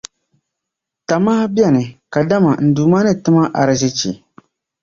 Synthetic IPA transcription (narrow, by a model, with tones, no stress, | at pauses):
ta˨maː˦bjɛ˦˨nɨ˨ka˨da˦ma˨n̩˨duː˨maː˦nɨ˦tɨ˦ma˦ʔa˨ɾɨ˨zɪ˦t͡ʃḭ˨